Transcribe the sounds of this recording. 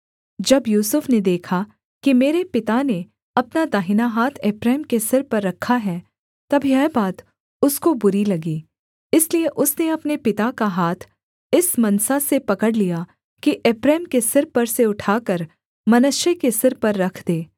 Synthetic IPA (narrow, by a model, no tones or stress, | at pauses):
d͡ʒɐbjuːsʊfned̪eːkʰa | kimeːɾepɪt̪ane | ɐpnad̪aːɦɪnaɦaːt̪ʰeːpɾɛːmkesɪɾpɐɾːɐkʰːaɦɛ | t̪ɐbʱiɛːbaːt̪ | ʊskobʊɾilɐɡiː | ɪslieʔʊsneɐpnepɪt̪akaɦaːt̪ʰ | ɪsmɐnsasepɐkəɽlija | kiʔeːpɾɛːmkesɪɾpɐɾseʊʈʰaːkəɾ | mɐnʊʃjəkesɪɾpɐɾːɐkʰd̪eː